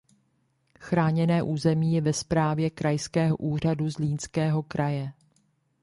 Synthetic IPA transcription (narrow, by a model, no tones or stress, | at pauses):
xɾaːɲɛnɛːʔuːzɛmiːjɛvɛspɾaːvjɛkɾajskɛːɦo̰ʔuːr̝aduzliːnskɛːɦo̞kɾajɛ